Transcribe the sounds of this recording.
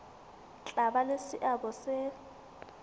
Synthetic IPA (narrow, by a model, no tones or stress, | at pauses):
t͡ɬʼabalesɪʔabɔsɪ